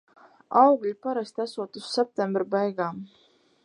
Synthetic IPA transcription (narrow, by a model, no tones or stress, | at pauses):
ɑwɡlʲipɑɾɑst̪ʲɑsut̪usːep̚t̪embrbɑjɡɑː